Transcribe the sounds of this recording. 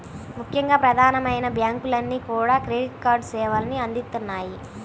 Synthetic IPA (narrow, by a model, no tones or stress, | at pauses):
mukʰjɐŋɡaːpɾɐd̪ʱaːnɐmɐjnɐbjaːŋkulɐnːiːkuːɽaːkɾeːɖiʈkaːɾɖt͡ʃɛːʋaːlɐniɐnd̪it̪ːunːaːji